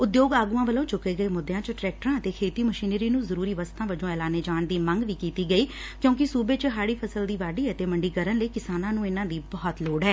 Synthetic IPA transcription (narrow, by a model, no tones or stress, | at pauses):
ʊd̪joːɡaːɡuːãːʋəlõːt͡ʃʊkːeːɡəeːmʊd̪ːejãːt͡ʃʈɾɛːk̚ʈəɾãːət̪eːkʰeːt̪iːməʃiːnɾiːnũːzəɾuːɾiːʋəst̪ãːʋəd͡ʒõːɛːlaːneːd͡ʒaːɳd̪iːməŋɡʋiːkiːt̪iːɡəiːkjõːk̬ɪsuːbeːt͡ʃɦaːɽiːpʰəsəld̪iːʋaːɖiːət̪eːməɳɖiːkəɾənləiːkɪsaːnãːnũːɪnãːd̪iːbɔːt̪loːɖɦɛː